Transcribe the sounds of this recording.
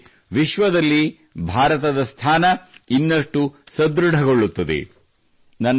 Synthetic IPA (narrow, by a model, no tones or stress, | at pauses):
ʋiʃʋɐd̪ɐlːi | bʱaːɾɐt̪ɐd̪ɐst̪ʰaːnɐinːɐʂʈusɐd̪ɾuɖʱɐɡoɭːut̪ːɐd̪ḛ | nɐnː